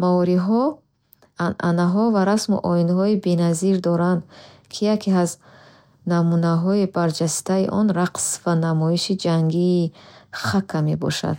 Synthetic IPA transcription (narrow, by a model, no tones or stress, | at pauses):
maɔɾiɦɔ | anʔa̰naɦɔvaɾasmṵʔɔinɦɔibenaziɾd̪ɔɾand̪kʰijakʰeaz | namunaɦɔibaɾd͡ʒast̪aḭʔɔnɾaqsvanamɔiʃid͡ʒaŋɡiːχakʰːamebɔ̰ʃa̰d̪̥